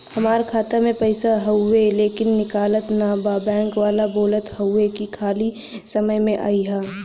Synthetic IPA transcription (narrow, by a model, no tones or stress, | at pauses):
hɐmaːɾkʰaːt̪amẽpəɪsaɦɐʊeleːkɪnːɪkaːlət̪nabaːbɛ̃ːŋkʋaːlaboːlət̪hɐʊekikʰaːli | sɐməjmẽʔa̰ːiɦɛː